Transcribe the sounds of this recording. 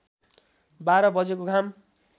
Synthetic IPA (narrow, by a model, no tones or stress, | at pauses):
baɾʌbʌd͡zekoɡʱam